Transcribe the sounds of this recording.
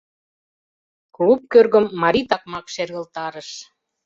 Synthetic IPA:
klup̚kørɣə̆mːɑɾit̪ɑk̚mɑkʃerɣə̆lt̪ɑɾə̆ʃ

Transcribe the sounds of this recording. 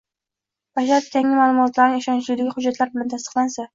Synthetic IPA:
b̥aʃ̬aɾt̪k̪ʲʰaŋɪmaːlˠʊmɒt̪ʰlaɾɪŋɪʃɒnt͡ʃʰlud̪aɡʲɪχʊd͡ʒːat̪laɾbɪlant̪ʰast̪ɨ̥qlˠansa

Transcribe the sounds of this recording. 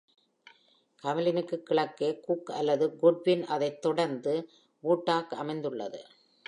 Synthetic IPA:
kɐmɪlɪnɯkːɯkːɪɭɐkːeːkukɐ̰lːɐðɯɡʊɖ̚bɪnʔɐðɐɪt̪ːɔɽɐɾnd̪ɯ | ʋuːʈːaːkɐmɐɪnd̪ɯɭːɐ̰ðɯ̰

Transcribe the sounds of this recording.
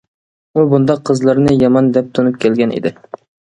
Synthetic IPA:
ubund̪ɑqʰːəzlˠɨɾnɨjɑmɑnd̪ɛp̚t̪ʰunɨp̚kʲʰɛlɡʲɛnʔḛd̪ɪ

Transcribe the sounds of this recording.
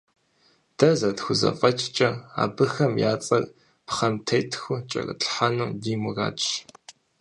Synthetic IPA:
d̥ɐzɐtxʷʊzɐ̰fʼɐt͡ʃʼt͡ʃʼɐa̰ːbɨxɐmjaːt͡sʼɐrʼ | pχɐmtʰɐjtʰxʷʊt͡ʃʼɐ̰kʼɨ̰ɬħanuːdiːmura̰ːt͡ʃʼ

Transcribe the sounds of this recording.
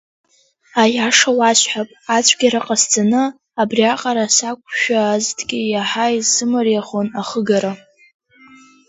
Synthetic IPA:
ajaʂawaɕʷħapʼat͡ɕʷʰʼɡʲaɾaqʼasd͡zʰʼanɨ | abriaqʼaɾasakʷʼʰʃᶣaztʰʼɡʲʼɪjaħajsɨmɨrjaχonaχəɡaɾa

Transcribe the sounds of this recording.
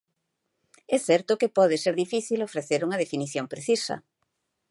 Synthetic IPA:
ɛθɛɾt̪ʊkepɔðɪseɾðifiθilofɾeθeɾuŋɐðefiniθjompɾeθisɐ̰

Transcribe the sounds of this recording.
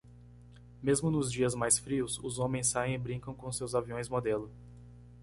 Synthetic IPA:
mezmʊnʊzd͡ʒiɐzmajsfɾiʊsʊzõmẽj̃sːajẽj̃ɪbɾĩkɐ̃w̃kõsewzaviõj̃zmod̪elʊ

